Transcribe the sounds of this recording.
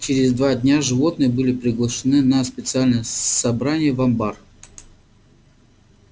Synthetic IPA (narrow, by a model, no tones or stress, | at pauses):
t͡ɕɪɾʲɪzd̪vadʲnʲaʐɨvo̞t̪nɨjəbɨlʲɪpɾʲɪɡlˠəʂɨnɨnɐspʲɪt̪sɨalʲnəjəsɐbɾanʲɪjəvɐmbar